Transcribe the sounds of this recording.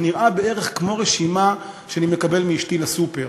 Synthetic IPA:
niʁʔabe̞e̞ʁeχkmo̞ʁeʃima | ʃeanimekabe̞lmiːʃtilasupe̞ʁ

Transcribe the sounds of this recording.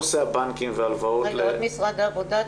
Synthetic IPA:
seabankimvealvaotlemisʁad̪avod̪a

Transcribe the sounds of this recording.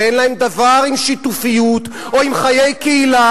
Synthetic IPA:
enlae̞md̪avaʁimʃit̪ufijut̪ | o̞imχaje̞jkeila

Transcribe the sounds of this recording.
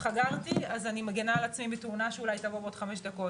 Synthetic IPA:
χaɡaʁt̪iazanimeɡenaːlat͡smibet̪unaʃeulajt̪avo̞beodχameʃd̪ako̞t

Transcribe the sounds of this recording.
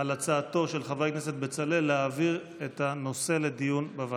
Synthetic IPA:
alat͡saːto̞ʃelχavajknes̬e̞t̪bet͡sale̞leaviʁ | et̪ano̞se̞le̞d̪ijunbava

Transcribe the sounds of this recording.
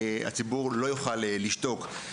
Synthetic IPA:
a̰t͡sibuʁlo̞juχaleːiʃto̞k

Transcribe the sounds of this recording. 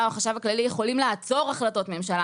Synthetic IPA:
oaχaʃavaklalijeχo̞limlaːt͡so̞ʁaχlato̞tme̞mʃala

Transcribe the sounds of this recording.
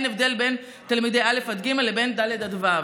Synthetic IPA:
nevd̪e̞lben | t̪almid̪e̞jalefad̪ɡimalebe̞nd̪aledadvaa

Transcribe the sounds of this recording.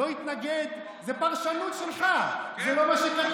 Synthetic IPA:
oit̪naɡed̪ | zepaʁʃanut̪ʃelχazelo̞maʃekat

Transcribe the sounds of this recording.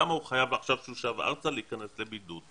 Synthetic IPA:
amauχajavaχʃavʃuʃavʔa̰ʁt͡saleikaneslebid̪ut

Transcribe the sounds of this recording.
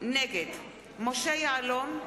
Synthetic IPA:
neɡed̪ | moʃejaalon

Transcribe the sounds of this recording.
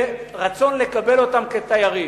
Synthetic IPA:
ʁat͡so̞nle̞kabe̞lo̞tamket̪ajaʁi

